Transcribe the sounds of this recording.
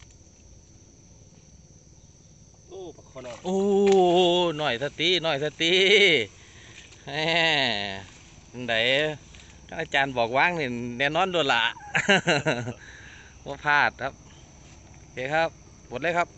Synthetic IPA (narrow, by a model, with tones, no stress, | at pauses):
ʔoː˧ | nɔː˧˩jsʰa˧˩t̪i˧˥nɔː˧˩jt̪sʰa˧t̪iː˧˥˦ | ɛː˧˩˧ | da˨˩j | ka˧˥nʔaː˧˩t͡ɕaː˨nbɔː˨˩k̚waː˧˥˨ŋniː˧˩nɛ˧˨nɔː˧˥˨ndu˧˩la̰˨˧˩ | bɔː˧˩pʰaː˧˩t̪̚kʰa˧˥p̚ | o˧˩kʰeː˧˨kʰa˦˥p̚ | mo˨˩t̪̚leː˧˥˨kʰa˦˥p̚